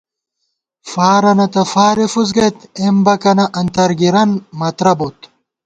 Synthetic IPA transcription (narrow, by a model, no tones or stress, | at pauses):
faːɾɐnɐt̪ɐfaːɾefuzɡɐt̪embɐkɐnɐʔɐnt̪ɐɾɡiɾɐnmɐt̪ɾɐbot̪